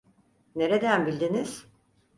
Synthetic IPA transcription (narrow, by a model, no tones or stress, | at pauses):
ne̞ɾed̪ænbilʲd̪iniz̥